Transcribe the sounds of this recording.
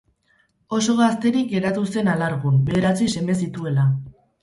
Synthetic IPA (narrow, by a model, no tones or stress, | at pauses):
o̞so̞ɣast̪e̞ɾik̚ɡe̞ɾat̪use̞nalaɾɣube̞ðe̞ɾat͡sise̞me̞sit̪ue̞la